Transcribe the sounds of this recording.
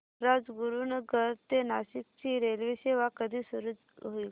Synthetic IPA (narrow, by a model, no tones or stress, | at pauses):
ɾad͡zɡuɾunəɡəɾt̪enaɕik̚t͡ɕiːɾelʋiseʋakəd̪ʱiːsuɾud͡z | ɦoiː